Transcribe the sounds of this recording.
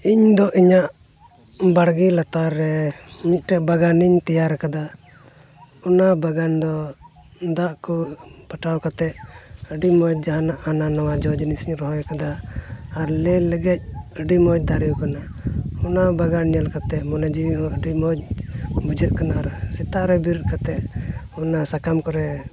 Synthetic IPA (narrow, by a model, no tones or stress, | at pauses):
iɲd̪ɔʔiɲaʔ | baɽɡilat̪aɾːɛmit̪̚ˀʈɛʔbaɡaniɲt̪ɛjaɾɛkad̪a | ɔnabaɡand̪ɔ | d̪aʔkupaʈawkat̪ɛʔəɖimɔd͡ʒ̚d͡ʒaɦanaʔananawad͡ʒɔd͡ʒnisiɲɾɔɦɔjɛkad̪aː | ɾlɛləɡɛc̚əɖimɔd͡ʒ̚d̪aɾijukanaɔnabaɡanɲəlkat̪ɛʔmɔnad͡ʒiwiɔ̃ʔəɖimɔd͡ʒbud͡ʒəʔ̚kanaaɾsit̪aʔɾɛbiɾut̪̚kat̪ɛʔ | ɔnasakamkɔɾɛ